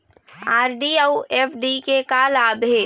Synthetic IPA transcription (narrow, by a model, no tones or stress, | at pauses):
aːɾɖiəuepʰɖikekaːlaːbɦe